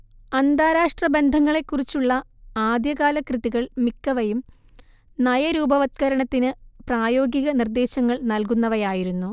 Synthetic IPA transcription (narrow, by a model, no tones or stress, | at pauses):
ɐnd̪aːɾaːʂʈrɐbe̞nd̪ʱɐŋːɐɭe̞kːurit͡ɕːuɭːɐ | aːd̪jɐɣaːlɐkrɨðiɣɐɭmikːɐʋɐjum | nɐjɐɾuːbɐʋɐt̪̚kɐɾɐɳɐt̪ːinɨpraːjo̞ːɡiɣɐnird̪e̞ːɕɐŋːɐɭnɐlk̬unːɐʋɐjaːjiɾunːu